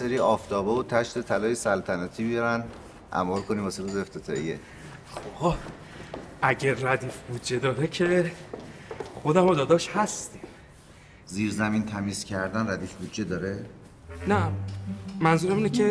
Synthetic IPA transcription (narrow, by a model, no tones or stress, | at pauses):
seɾiːɒːft̪ʰɒːbeot̪ʰæʃt̪et̪ʰælɒːjesælt̪ʰænæːt̪ʰiːbijɒɾæn | ʔæ̰mɒːɾkʰoniːmbɒːsed̪ozeft̪ʰet̪ʰɒ̰ːḭḛ | χobhɒ | ʔæɟeɾæd̪iːfbud̪d͡ʒed̪ɒːɾecʰe | xod̪æmod̪ɒːd̪ɒːʃhæst̪iːm | ziːɾzæmiːnt̪ʰæmiːz̥cʰæɾd̪ænræd̪iːfbud̪d͡ʒed̪ɒːɾe | næ | mænzuːɾæminekʰe